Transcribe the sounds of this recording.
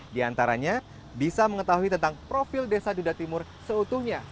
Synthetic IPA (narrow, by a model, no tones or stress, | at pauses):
diant̪aɾaɲa | bisaməŋət̪aɦuit̪ənt̪aŋpɾofildesadudat̪imʊrsəut̪uhɲa